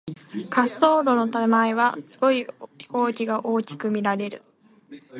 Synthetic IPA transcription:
kʰaso̞ːɾo̞no̞t̪amaeβ̞asɨ̥ɡo̞içi̥ko̞ːkʲiɡaʔo̞ːkʲi̥kɯ̟mʲiɾaɾe̞ɾɯ̟̰

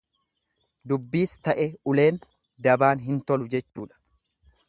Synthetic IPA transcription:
d̪ʊbːiːst̪ɐʔɛʊle̞ːn | d̪ɐbaːnɦɪnt̪ɔlʊd͡ʒɛt͡ʃːuːᶑɐ̥

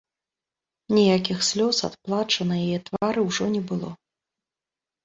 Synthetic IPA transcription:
nʲijakʲixsʲlʲɔsa̰t̪plˠat͡ʂɐnɐjajɛt̪vaɾɨwʐɔnʲɛbɨlˠɔ̰

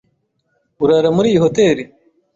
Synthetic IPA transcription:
uɾaɾamuɾiːjiɦoteɾi

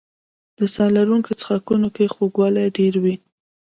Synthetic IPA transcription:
d̪əsɑlaɾuŋket͡sə̥xakunokexoɡwɑlaɖeɾwi

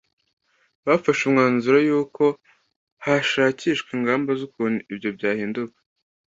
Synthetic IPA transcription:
βafaʃumŋaːnzuɾajuːko̞ | haʃaːciːʃkwiːŋɡaːmbazoknibɟo̞bɟaːhiːndukḁ

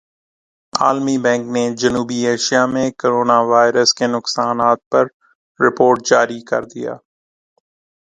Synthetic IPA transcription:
a̰ːlmibɛ̃ːŋkned͡ʒɐnuːbieːʃijamẽkoɾoːnaʋaːɪɾəskenʊksaːnaːt̪̚pɐɾ | ɾɪpoːɾʈ̚d͡ʒaːɾikɐ̰ɾd̪ija̰ː

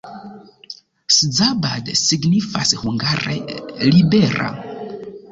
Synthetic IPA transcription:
sd͡zabadsiɡnifa̰shuŋɡaɾḛlibeɾa̰

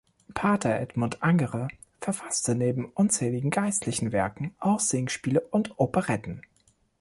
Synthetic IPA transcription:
pʰaɐtʰɐʔɛdmʊntʔaŋəʁə | fɛɐfastəneːbm̩ʔʊnt͡sɛːlɪɡŋ̩ɡaɪstʰlɪçn̩vɛɐkŋ̩ʔaʊsz̥eːŋsʃpiːləʔʊntʔopəʁɛtn̩

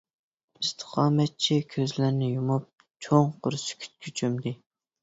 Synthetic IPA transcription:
ist̪ʰɨ̥qʰɑːmɛt̪̚t͡ʃʰikʲʰøzlɪɾnɪjumup̚ | t͡ʃʰoŋqʊɾsɪ̥kʲʰy̥t̪̚kʲʰyt͡ʃʰømd̪ɪ

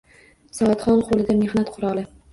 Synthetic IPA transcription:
sɒt̪χɒnqʰolˠɪd̪ame̞hnat̪qʰʊɾɒlˠɪ

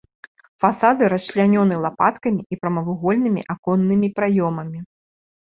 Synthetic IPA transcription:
fasad̪ɨɾɐsʃlʲanʲɔnɨlˠapat̪kɐmʲiipɾɐmɐvuɣɔlʲnɨmʲḭʔakɔnːɨmʲipɾajɔmɐmʲi

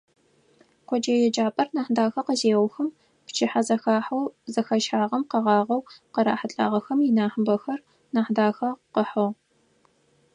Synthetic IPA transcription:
kʷʰɔd͡ʒɐjɛd͡ʒaːpʼɐrnaːħdaːxɐqəzeːwʷxɐm | pt͡ʃʰɪħazɐxaːħɐwzɐxɐʃħaːʁɐmqɐʁɑːʁɐwqɐɾa̰ːħəɬʼa̰ːʁɐxɐmjɪnaːħəbɐxɐr | naːħdaːxɐqəħɐʁ

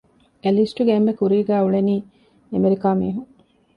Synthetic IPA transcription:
elisʈuɡeembekuɾiːɡæːuɭeniː | emeɾikaːmiːɦu

